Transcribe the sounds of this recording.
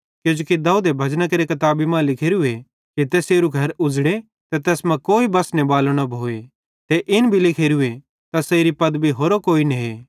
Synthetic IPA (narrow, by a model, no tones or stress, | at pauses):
kjõːd͡ʒoːkid̪aːuːd̪ebʱɐd͡ʒnəkɐɾekɐt̪aːbimãlɪkʰeːɾʊe | kit̪ɛːseːɾuɡʱɐɾʊd͡ʒɽe | t̪et̪ɛːsmɐ̃koːibɐsnebaːlɽ̃obʱoːe | t̪eʔɪnbʱilɪkʰeɾʊe | t̪aseːɾipɐd̪bʱiɦoːɾokoːinẽeː